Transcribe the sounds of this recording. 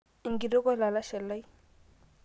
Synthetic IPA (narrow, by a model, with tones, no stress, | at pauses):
i˨ŋɡi˨do˦ka˦la˨la˦ʃɛ˨lːa˦j